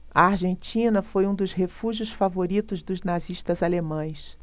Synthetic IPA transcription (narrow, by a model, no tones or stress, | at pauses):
ɐaɾʒẽnt͡ʃĩnɐfojũd̪ʊzɦefuʒiʊsfavoɾit̪ʊzd̪ʊznaziʃt̪ɐzalemɐ̃j̃s